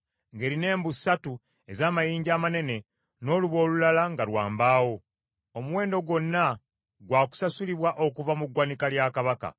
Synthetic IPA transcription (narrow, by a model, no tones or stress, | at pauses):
ŋɡe̞ːɾine̞ːmbusatu | ezaːmajiːɲɟaːmane̞ne̞ | no̞ːluβo̞ːlulalaŋɡalwa̰ːmbaːwo̞ | omuwe̞ːndo̞ɡwo̞nːa | ɡwaːku̥sasuliβwaʔo̞kuvamuɡwanikaljakaβaka̰